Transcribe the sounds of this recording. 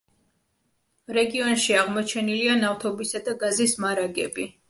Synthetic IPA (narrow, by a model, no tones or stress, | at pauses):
ɾɛɡiɔnʃiaʁmɔt͡ʃʰɛnilianaft̪ʰɔbisad̪aɡazismaɾaɡɛbi